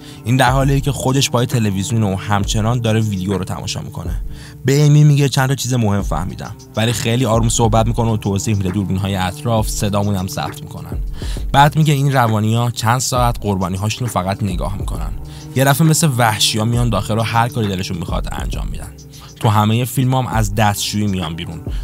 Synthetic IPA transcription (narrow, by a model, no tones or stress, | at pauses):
ʔiːnd̪æɾɦɒːlicʰe̞xo̞d̪e̞ʃbɒːjet̪ʰe̞levizjuneuhæmt͡ʃʰe̞nɒːnd̪ɒːɾevid̪ejoɾot̪ʰæ̰mʔɒ̰ːʃɒ̰ːmḭkʰo̞̰ne | be̞emiːmiɟet͡ʃʰænt̪ʰɒːt͡ʃʰiːzemo̞he̞mfæ̰hmḭːd̪æ̰m | vælixejliːɒːɾumsohbæt̪̚miko̞not̪ʰoːziːhmid̪ed̪uːɾbinɦɒːjeæt̪ʰɾɒːfse̞d̪ɒːmud̪æmzæ̰p̚t̪ʰmḭkʰo̞̰næ̰nb̥æːd̪miɟeinrævɒːniɒːt͡ʃʰænd̪̥sɒːæt̪ɢo̞ɾbɒːniːɦɒːʃunofæɣæt̪ne̞ɡɒ̰ːhmikʰo̞̰næ̰n | je̞d̪æfemeslevæhʃijɒːmijɒnd̪ɒːxeloɦæɾkʰɒːɾid̪e̞le̞ʃunmixɒ̰d̪æ̰nd͡ʒɒ̰ːmːḭd̪æ̰n | t̪ʰuɦæmejefilmɒmʔæ̰zd̪æst̪ʃuiːmijɒnbiːɾun